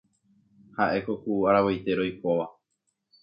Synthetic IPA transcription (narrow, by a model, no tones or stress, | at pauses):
haʔe̞ko̞kuːaɾaβojt̪e̞ɾo̞jkoʋa